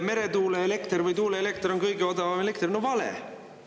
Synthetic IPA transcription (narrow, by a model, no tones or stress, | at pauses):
me̞ɾe̞t̪uːleele̞kt̪rvɯjt̪uːleelek̚t̪ro̞nkɤjɡeod̪ɑvɑmelek̚t̪rnovɑlḛ